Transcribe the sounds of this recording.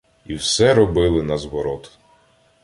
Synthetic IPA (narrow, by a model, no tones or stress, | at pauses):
iwsɛɾɔbɪlˠɪnɐzʋɔɾɔt̪ʊ̥